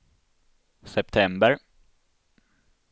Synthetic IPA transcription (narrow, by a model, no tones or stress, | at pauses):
sɛp̚t̪ʰɛmbəɾ